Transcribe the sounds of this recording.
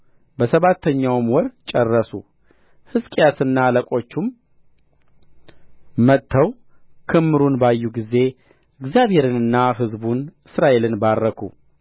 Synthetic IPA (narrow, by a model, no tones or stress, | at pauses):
bəsəβat̪ʰːəɲːawmwɔɾt͡ʃʼərːəsṵ | hɨskʼjat̪ɨnːaləkʼo̞t͡ʃːum | mət̪ʰːəw | kʰɨmːɨɾunbajːuɡize̞ | ɨɡzjaβhe̞ɾɨnɨnːaɦɨzbunɨsɾaʔe̞lɨnbarːəkʰṵ